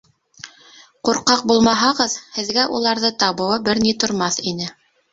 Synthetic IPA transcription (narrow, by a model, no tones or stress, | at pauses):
quɾqɑq̚bulˠmɑɦɑʁɤðhɘ̆ðɡæʔulˠɑɾðɤt̪ɑβɤ̆wɤbɘɾnit̪ŏɾmɑθinɘ